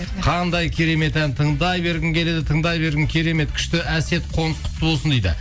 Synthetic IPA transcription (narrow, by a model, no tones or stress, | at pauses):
qʰɑnd̪ɑjkʲʰeɾe̞me̞t̪ænt̪ʰəɴd̪ɑjbe̞ɾɡʲɪŋkʲʰe̞le̞d̪ɪt̪ʰəɴd̪ɑjbe̞ɾɡʲɪŋkʲʰeɾe̞me̞t̪̚kʲʰʏ̥ʃt̪ɪæse̞t̪qʰo̞nəsq̪ʰʊ̥t̪ːəbolˠsənd̪ejd̪ɪ̰